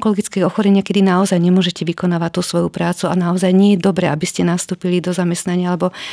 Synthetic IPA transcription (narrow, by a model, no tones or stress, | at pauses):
kɔlɔɡit͡skɛɔxɔɾɛɲɪakɛd̪inaɔzajɲɛmʊɔʒɛcɛʋikɔnaːʋat̪ːuːsʋɔjupɾaːt͡suanaɔzajɲɪɛjɛd̪ɔbɾɛabiscɛnast̪uːpilid̪ɔzamɛst̪naɲɪaalɛbɔ